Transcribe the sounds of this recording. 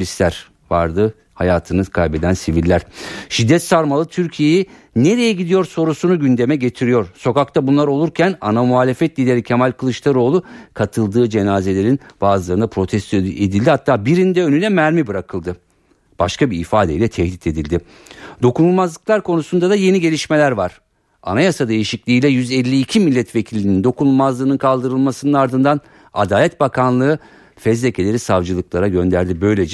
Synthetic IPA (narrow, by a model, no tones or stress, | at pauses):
lʲist̪lʲæɾ̥ | va̰ɾd̪ɯ | hajaːt̪ʰɯnɯkʰalbe̞d̪ænsivilʲːæɾ̥ʃid̪ːɛt̪saɾmalˠɯt̪ʰyɾcʰije̞ji | ne̞ɾe̞jɛɟid̪ijo̞ɾso̞ɾusunuɟynd̪e̞mɛɟe̞t̪ʰiɾijo̞ɾso̞kak̚t̪ʰabunlˠaɾo̞lˠuɾcʰænanamuɦaːlʲe̞fɛt̪lʲilʲe̞ɾicʰemalʲkʰɯlˠɯʃlˠaɾo̞ːlˠukʰat̪ʰɯlˠd̪ɯːd͡ʒe̞naːze̞lʲe̞ɾinb̥aːzɯlˠaɾɯnapʰɾo̞t̪ʰɛst̪ʰed̪ilʲd̪ihat̪ʰːaːbiɾind̪ɛønylʲɛmæɾmibɯɾakʰɯlˠd̪ɯ | b̥aʃkabiifaːd̪eilʲɛt̪ʰɛhlʲit̪ʰe̞d̪ilʲd̪ɪ | d̪̥o̞kunulˠmazlˠɯklˠaɾkʰo̞nusund̪ad̪aje̞niɟe̞lʲiʃme̞lʲæɾvaɾ̥ | a̰najasad̪e̞jiʃiclʲiːjlʲɛjyzɛlʲːiːcʰimilʲːɛt̪vecʰilʲːinind̪o̞kunulˠmazlˠɯːnɯnkʰalˠd̪ɯɾɯlˠmasɯnɯnaɾd̪ɯnd̪an | a̰d̪aːlʲɛt̪bakʰanlˠɯː | fɛzlecʰelʲe̞ɾisavd͡ʒɯlˠɯklˠaɾaɟø̞nd̪æɾd̪ibø̞jlʲe̞d͡ʒɛ